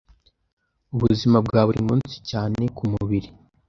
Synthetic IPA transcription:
uβuzimabɡaːβuɾḭmuːnsi̥caːne̞kʰumuβiɾi

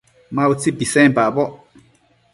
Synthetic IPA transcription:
mãut͡sibisɛ̃mbabɔ

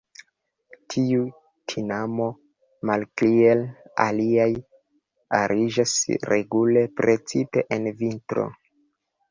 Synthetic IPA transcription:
tʰiu | tʰinamo̞ | malkliela̰liaj | a̰ɾʔid͡ʒasɾe̞̰ɡule̞pɾe̞t͡sipe̞ʔenvintɾo̞̰

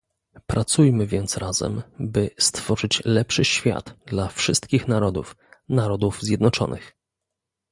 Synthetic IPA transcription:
pɾat̪sujmɘvʲjɛnt̪sɾazɛ̰mbɘst̪fɔʐɘt͡ɕlɛpʂɘɕfʲja̰d̪̥d̪lafʂɘst̪kʲixnaɾɔd̪ṵf | naɾɔd̪uvzʲjɛd̪nɔt͡ʂɔ̰nʔɘ̰x

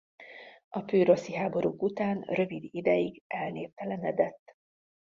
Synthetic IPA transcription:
ɒpøːɾo̞siɦaːbo̞ɾʔuːkut̪aːnrø̞vid̪id̪ɛjiɡɛlneːrt̪ɛlɛnɛd̪ɛt̪ː

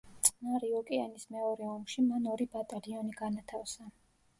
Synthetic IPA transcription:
t̪sʼnaɾiɔkʼɛanismɛɔɾɛɔmʃimanɔɾibat̪ʼaliɔniɡ̥anat̪ʰafsa

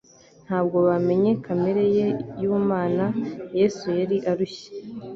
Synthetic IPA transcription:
n̥haːb̚ɡo̞βame̞ɲe̞kʰameɾe̞jejuːmaːnaje̞ːsujaɾiʔaɾuçe̥

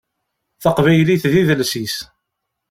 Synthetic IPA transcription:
θɑqvæjliθðiðəlsis

